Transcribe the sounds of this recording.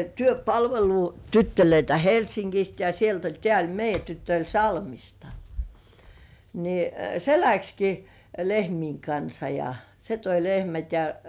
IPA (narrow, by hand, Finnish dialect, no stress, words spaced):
tyøpɑlʋelutytːøløitæ helsiŋkist jɑ sielt olʲ tĕæˑ olʲ meijˑæ tytːø olʲ sɑlmistɑ ni se lækski lehmiːŋ kɑnsɑ jɑ se toi lehmæt jɑ